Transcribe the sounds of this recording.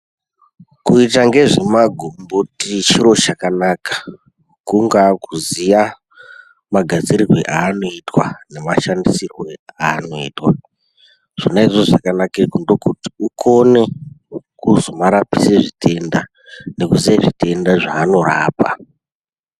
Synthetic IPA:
kuitaŋɡe̞ʐemaɡʱombotit͡ʃiɾo̞t͡ʃakanakḁ | kuŋɡakuzija | maɡʱad͡ziɾirwḛʔaːno̞itwane̞maʃandisirweaːno̞ḭːtwa | ʐ̥inaiʐoʐakanakekondo̞kuti̥ukʰo̞ne̞ | kuzomaɾapiseʐitʰe̞nda | ne̞kuzijaʐitʰe̞ndaʐaːno̞ɾa̰ːpa̰

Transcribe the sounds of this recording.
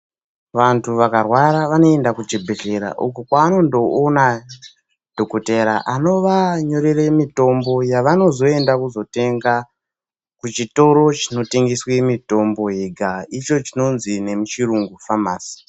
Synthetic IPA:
ʋantʰuʋakarwaɾaʋano̞e̞ndakud͡ʒebʱeɮe̞ɾa̰ʔukukwaːno̞ndo̞ːna | d̥ʱo̞koteɾaʔano̞ʋaɲo̞ɾeremito̞mbo̞jaʋano̞zo̞e̞ndakuzo̞te̞ŋɡa | kut͡ʃito̞ɾo̞t͡ʃino̞teŋɡiswemito̞mbo̞ɦeɡʱait͡ʃo̞t͡ʃino̞nzine̞mut͡ʃiɾuŋɡufamaːsi̥

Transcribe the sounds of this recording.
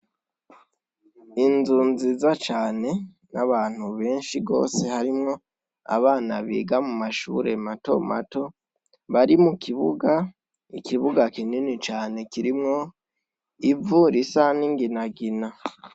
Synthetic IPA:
inzuːnzizat͡ʃaːne̞ | naβaːn̥huβe̞ːnʃiɡo̞̰ːse̞haɾimŋo̞ | a̰βaːnaβḭːɡamumaʃṵːɾe̞mato̞ma̰to̞ | βaɾimukiβuɡa | ikiβuɡakininit͡ʃaːne̞kiɾimŋo̞ | ivuɾisaniŋɡinaɡina

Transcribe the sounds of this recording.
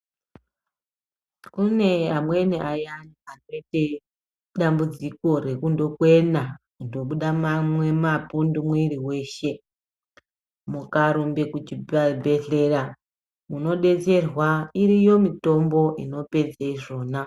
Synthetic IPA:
kune̞amwe̞niʔajanianoite | ɗambud͡ziko̞re̞kundo̞kwe̞nakundo̞ɓuɗamamwe̞mapundumwiɾiwe̞ːʃe̞ | mukaɾumbekut͡ʃibʱe̞ɮe̞ra | muno̞ɗe̞t͡se̞rwairijo̞mito̞mbo̞ʔino̞pe̞d͡zeiʐo̞ːna

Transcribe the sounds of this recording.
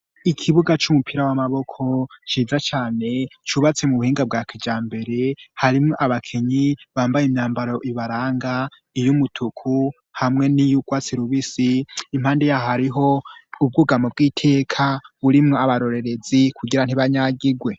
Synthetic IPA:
ikʰiβuɡat͡ʃumupʰiɾawamaβo̞kʰo̞t͡ʃiːzat͡ʃaːne̞t͡ʃuβat͡se̞muβuhiːŋɡab̚ɡakʰid͡ʒaːmbe̞ɾe̞haɾimŋoʔaβakʰeɲiβaːmbajemɲaːmbaɾo̞ʔiβaɾaːŋɡa | ijumutʰukʰu | hamŋe̞nijuɡ̥waːt͡siɾuβisiːm̥haːndejaɦaɾiɦo̞ub̚ɡuɡamob̚ɡiːtʰe̞ːkʰaβuɾimŋoaβaɾo̞ɾe̞ɾe̞zikʰuɡiɾan̥iβaɲaɡiɡwe̞

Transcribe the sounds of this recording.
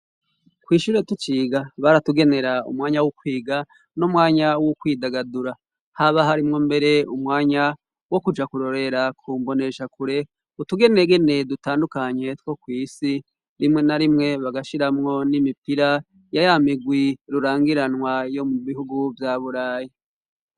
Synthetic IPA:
kwiːʃuɾe̞tut͡ʃiːɡaβaɾatuɡe̞ne̞ɾaṵmŋaːɲawokwiːɡa | nomŋaːɲawokwiːdaɡaduɾa | haβaɦaɾimŋombe̞ɾe̞umŋaːɲa | wo̞kud͡ʒakuɾo̞ɾe̞ɾakʰumbo̞ne̞ʃakuɾe̞ | utuɡe̞neɡe̞ne̞dutaːndukaɲe̞two̞kwiːsi | ɾimŋe̞naɾimŋe̞βaɡaʃiɾamŋo̞nimipiɾa | jajamiɡwiɾuɾaːŋɡiɾanwajo̞muβihuɡuvjaβuɾaːji

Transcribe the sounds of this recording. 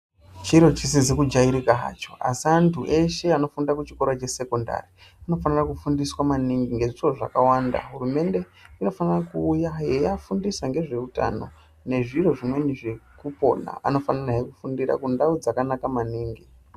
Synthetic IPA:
t͡ʃiɾo̞t͡ʃisid͡zekud͡ʒaiɾikaɦa̰ːt͡ʃo̞a̰siantʰuʔe̞ʃe̞ano̞fundakut͡ʃikoɾot͡ʃe̞se̞ko̞nda̰ri | ano̞fanirakufundiswamaniŋɡiŋɡe̞ʐiro̞ʐakawanda̰ɦurume̞nde̞ | ino̞fanirakuːjajejafundisaŋɡe̞ʐe̞uta̰no̞ | ne̞ʐiro̞ʐimwe̞neʐekupo̞na̰ʔa̰no̞fanaraɦekufundiɾa̰kundaud͡zakanakamaniːŋɡi

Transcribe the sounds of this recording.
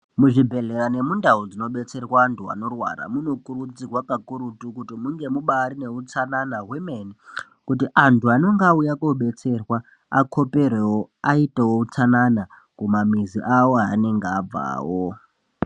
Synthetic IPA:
muʐibʱe̞ɮe̞ɾane̞mundaod͡zino̞ɓe̞t͡se̞rwaːntʰua̰no̞rwa̰ɾa̰muno̞kuɾud͡zirwakakuɾutukutimuŋɡe̞muɓaɾine̞ut͡sananawimeni | kutiʔantʰuano̞ŋɡaujakoɓe̞t͡se̞rwa | akʰo̞pe̞rewoaitewout͡sanana | kumamiziʔawo̞ɦaːne̞ŋɡeab͡va̰ːwo

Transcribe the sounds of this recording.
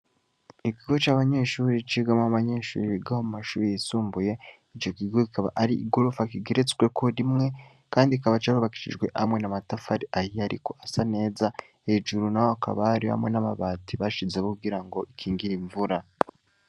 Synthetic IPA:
ikiɡo̞t͡ʃaːβaɲe̞ːʃuɾit͡ʃiɡamahaβaɲe̞ːʃṵːɾiiɡahomumaʃuːɾijisuːmbuje̞ | it͡ʃo̞kiɡo̞kikaβa̰ʔaɾiʔiɡo̞ɾofakiɡeɾet͡skwekʰo̞ɾimŋe̞ | kaːndikaβat͡ʃaβuβaki̥ʃḭʒɡwe̞ʔhamŋe̞namatafaɾiajiaɾḭko̞ʔasane̞ːza | he̞ːʒuɾunahoaka̰βaɾiha̰mŋe̞naβaβaːtiβaʃizeβokuɡiɾaŋɡo̞ikʰiːŋɡiɾiɱvuɾa

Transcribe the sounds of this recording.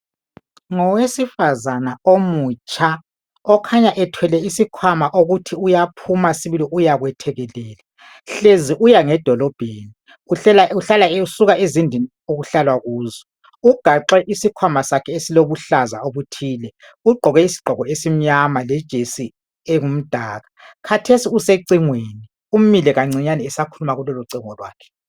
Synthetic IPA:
ŋɔwesifazanaomut͡ʃʼa | ɔkʰaɲaʔɛtʰwɛlɛisikʰwamaʔoɣutʰiujapʰumasiβiliʔujaɣwɛtʰɛɣɛlɛːla | ɬeziʔujaŋɛd̥ʱɔlɔb̥ʱeːni | uɛlauɬalausuɣaʔezindʱini | oɣuɬalwaɣuːzɔ | uɡ̥ʱaǁɛʔisikʰwamasakʰɛesiloβuɬaza̰oβutʰiːlɛ | uɡ͡ǃʱɔɣɛisi̥ɡ͡ǃʱɔɣɔesim̩ɲamalɛd̥ʒ̥ʱesi | ɛŋum̩d̥ʱaːɣakʰatʰesiuseǀiŋweni | um̩milɛɣaŋ͡ǀiɲaniɛsakʰulumaɣulɔlɔǀiŋɔlwa̰ːkʰɛ̥

